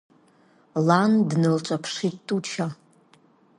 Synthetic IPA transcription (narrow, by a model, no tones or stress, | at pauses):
landnɨlt͡ʃʷʼapʰʂittʼut͡ʃʰa